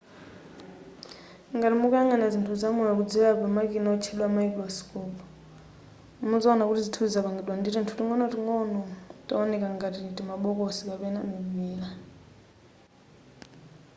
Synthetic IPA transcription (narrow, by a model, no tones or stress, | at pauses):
ŋɡatimukujaŋanazintʰuzamujɔk̬ud͡zɛlapamakʼinaɔt͡ʃʰiɗwamaikʼɾɔskʼɔp | muzaːnakutizitʰuzzaβaŋɡiɗwanditintʰutiŋɔnɔtiŋɔnɔtʼaɔnɛkʼaŋɡatitʼimaɓɔk̬ʼɔsikapɛnamimiːla